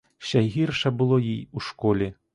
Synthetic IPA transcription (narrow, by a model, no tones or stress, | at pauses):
ɕʲaɣʲirʂɐbɨlˠɔjijuʂkɔlʲɛ